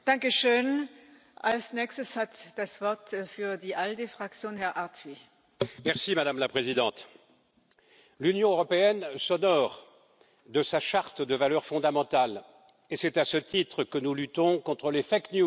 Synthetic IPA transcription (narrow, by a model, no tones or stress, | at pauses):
d̥ãŋkəʃøːn | ʔalsnɛːkstəshatd̥asv̥ɔɐtfyːɐdiːʔaldefʁ̥ak̚t͡sjoːnhɛɐʔaɐtʰvi | mɛʁsimad̪amlapχezid̪ɑ̃t̪ | lynjɔ̃øʁɔpeɛnsɔnɔʁ | d̪əsaʃaʁt̪d̪əvalœʁfɔ̃d̪amɑ̃t̪al | esɛt̪asət̪it̪χəkənulyt̪ɔ̃kɔ̃t̪χəlefaknju